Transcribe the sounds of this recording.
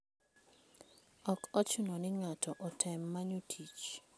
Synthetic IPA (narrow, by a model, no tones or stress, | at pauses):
ɔkɔt͡ʃʊnɔnɪŋatɔʔɔtʰɛmːaɲutʰit͡ʃ